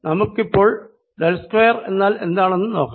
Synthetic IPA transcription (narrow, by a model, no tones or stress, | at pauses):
nɐmukːipːo̞ːɭ | delskwejɐre̞̰nːaːle̞̰nd̪aːɳe̞nːɨno̞ːkːa